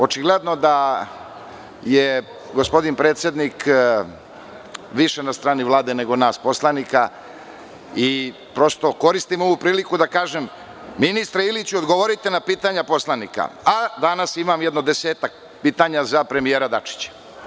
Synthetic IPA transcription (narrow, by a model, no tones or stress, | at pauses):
o̞t͡ʃiɡled̪no̞d̪a | je | ɡospo̞d̪inpɾe̞ːt̪sjed̪nik | ʋiʃenast̪ɾaːniʋlˠaːd̪ene̞ɡo̞naːspo̞slanika | i | pɾo̞st̪o̞ko̞ɾist̪imo̞ʋupɾiːlikud̪akaːʒemː | inist̪ɾailit͡ɕuod̪ɡoʋoɾit̪enapiːt̪aɲapo̞slˠanika̰ad̪anasimamjed̪nod̪e̞se̞ːt̪ak̚ | piːt̪aɲazapɾe̞mijeɾad̪at͡ʃi̥t͡ɕḁ